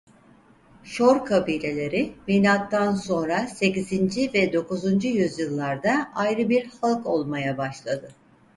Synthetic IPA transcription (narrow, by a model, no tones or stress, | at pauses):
ʃoɾkʰabiːlʲe̞lʲe̞ɾɪminʲat̪ʰːanso̞nɾase̞cizind͡ʒivɛd̪o̞kuzund͡ʒujyzjɯlˠːaɾd̪aajɾɯbiɾhalˠko̞lˠmajabaʃlˠad̪ɯ